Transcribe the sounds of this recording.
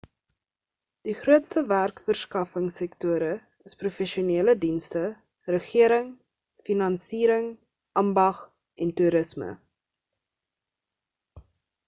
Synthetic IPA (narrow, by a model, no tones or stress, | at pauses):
d̥iχruətstəværkfərskɐfəŋsɛktuəɾə | əsprufɛʃiuniələdinstə | rəχiəɾəŋ | finɐnsiːɾəŋ | ʔɐmbɐχ | ʔɛntuɾəsmə̰